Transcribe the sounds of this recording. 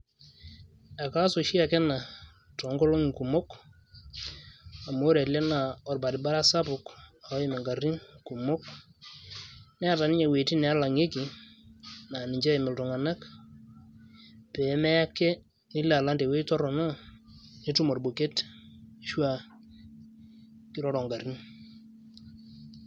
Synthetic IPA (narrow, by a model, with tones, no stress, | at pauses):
a˨ka˦so˨ʃi˦a˨kɛ˦na˨ | tɔ˨˦ŋɡo˦lo˦ŋ˨ku˨mo˦k | a˨mo˦ɾɛ˨tlɛ˦na˨ɔ˨rba˨dɪ˨ba˦ɾa˦sa˦pʊ˨ka˨˦ɪ˦mɛ˨ŋɡa˨ri˦ŋku˨mo˦k | nɛ˦a˦˨ta˨nɪ˦ɲe˨we˨ti˦nɛ˨a˦la˨ŋe˦ki˨ | na˨nɪ˨ɲd͡ʒɛ˦ɪ˨mɪ˨ltɔ˨ŋa˨na˦k | pɛ˨˦mɛ˦ja˦kːe˦ | nɪ˦la˨la˦nde˨we˦tɔ˦ɾɔ˨na˦ | ne˦tu˦mo˨rbo˨ke˦tʃwa˦ | kɪ˦ɾɔ˦ɾɔ˨ŋɡa˨ɾi˦n